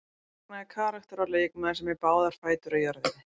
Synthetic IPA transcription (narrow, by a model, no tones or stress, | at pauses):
naɛkʰaːɾaht̪aɾaleːjɛkmaðsɛmːɛpaːwðaɾ̥faːjt̪ʏɾajœɾðɪn